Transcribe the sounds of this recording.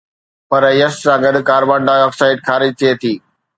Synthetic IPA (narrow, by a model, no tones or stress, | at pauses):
pɐɾjɐssãːɡɐd̪kaːɾbãːɳɖ̪aːɔːksaːɪʈ̚xʰaːɾɪd͡ʑt̪ʰiet̪ʰiː